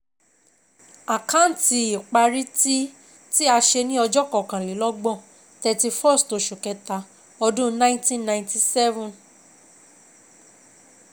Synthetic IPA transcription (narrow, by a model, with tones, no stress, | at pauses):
a˨kã˦n̩˨ti˧i˨k͡pa˧ɾi˦ti˦ | ti˦a˧ʃe˧nĩ˦ɔ˧d͡ʒɔ˦kɔ˦˨kã˨li˨˦lɔ˦ɡ͡bɔ̃˦˨ | tɛ˧ti˧fɔ˦˨sto˨˧ʃu˨kɛ˨˧ta˧ | ɔ˧dũ˦nã˦ĩ˦tĩ˦˨nnã˧˨˧ti˨sɛ˦vũ˨n